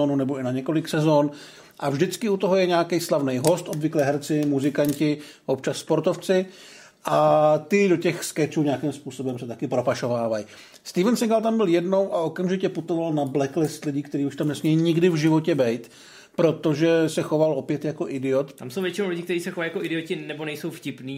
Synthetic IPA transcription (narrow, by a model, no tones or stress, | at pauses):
onunɛbo̞ɪnaɲɛko̞lɪksɛzoːn | ʔavʒdɪt͡skɪut̪o̞ɦojɛɲaːkɛjslavnɛjɦo̞st̪ʔobvɪklɛːɦɛɾt͡sɪmuzɪkaɲcɪ | ʔo̞pt͡ʃasːpo̞ɾt̪oft͡sɪ | ʔat̪ɪdo̞cɛxskɛt͡ʃuːɲeakɪmspuːso̞bɛmsɛt̪akɪpɾo̞paʃo̞vaːvaj | st̪ivɛnsɛŋɡalt̪ambɪljɛdno̞wʔao̞kamʒɪcɛput̪o̞valnablɛklɪst̪lɪɟiːkt̪ɛɾiːuʃt̪amnɛsmɲɛjiɲɪɡdɪvʒɪvo̞cɛbɛjt̪ | pɾo̞t̪o̞ʒɛsɛxo̞valʔo̞pjɛt̪jako̞ʔɪdɪo̞t̪amsowvjɛt͡ʃɪnowlɪɟɪkt̪ɛɾiːsɛxovajakoɪdɪocɪnɛbonɛjsowfcɪpniː